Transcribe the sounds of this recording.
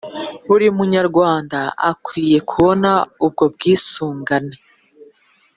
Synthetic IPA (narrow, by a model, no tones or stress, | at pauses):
uɾiumuɲaɾɡwaːndaa̰kwiːje̞kʰuβo̞naub̚ɡo̞b̚ɡiːsuːŋɡane̞